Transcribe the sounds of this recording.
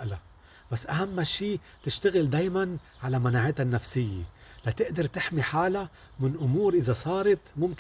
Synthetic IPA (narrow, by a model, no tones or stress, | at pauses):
ʔla | b̥asːʔaɦamːʃiː | t̪ɪʃt̪aɣɪld̪aːjman | ʕalamanaːʕɪt̪hanːafsɪjːḛlat̪ɪʔd̪ɑɾˤt̪ɪħmiħaːla | mɪnʔʊmuːɾʔɪzasˤɑːɾˤɑt̪mʊmk